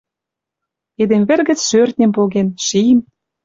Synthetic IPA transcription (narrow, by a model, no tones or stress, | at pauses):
ed̪emvĕrɣə̆t͡sʃørt̪̚ʲnʲempoɣenʃim